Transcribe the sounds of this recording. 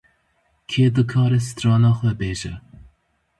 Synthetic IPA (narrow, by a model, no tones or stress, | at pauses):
kʰeːd̪ɨkʰɑːɾɛsɨ̥t̪ɾɑːnɑːxwɛbeːʒɛ